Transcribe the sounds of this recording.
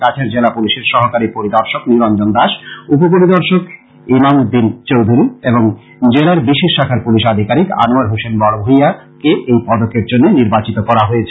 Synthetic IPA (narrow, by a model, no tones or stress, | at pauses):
kat͡ɕʰeɾd͡ʑelapuliʃeɾʃɔɦokaɾipoɾid̪ɔɾʃokniɾand͡ʑond̪aʃup̬op̬oɾid̪ɔɾʃok | emamud̪int͡ɕowd̪ʱuɾieboŋ | d͡ʑelaɾbiʃeʃʃakʰaɾpuliʃad̪ʱikaɾika̰nuaɾɦusenbɔɽobʱoia | keʔejpɔd̪okeɾd͡ʑonːeniɾbat͡ɕit̪okɔɾaɦoet͡ɕʰe